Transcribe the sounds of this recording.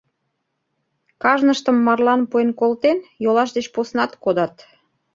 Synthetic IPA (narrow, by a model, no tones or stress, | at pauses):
kɑʒnəʃt̪əmːɑrlɑnpuenkolt̪enjolɑʃd̪et͡ɕposnɑt̪kod̪ɑt̪